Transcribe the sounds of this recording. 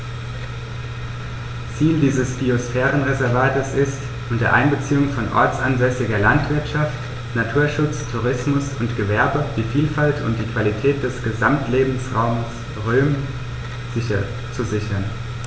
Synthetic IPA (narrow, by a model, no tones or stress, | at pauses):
t͡siːldiːzəsb̥iosfɛːʁənʁezɛɐvaːtəsɪst | ʔʊntɐʔa̰ɪnbət͡siːʊŋfɔnʔɔ̰ɐt͡sanzɛsɪɡɐɐlantv̥ɪɐtʃaft | natʰuːɐʃʊt͡stʰuʁ̞ɪsmʊsʊntɡ̥əvɛɐbəd̥iːfiːlfaltʰʊ̰nt̚d̥iːkv̥alitʰɛːt̚d̥ɛsɡ̥əzamtleːbm̩sʁaʊməs | ʁøːm | z̥ɪçɐ | t͡suzɪçɐn